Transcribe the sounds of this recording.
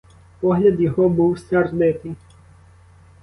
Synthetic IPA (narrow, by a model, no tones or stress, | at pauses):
pɔɦlʲɐd̪jɔɦɔbuwsʲɐrnɪt̪ɪ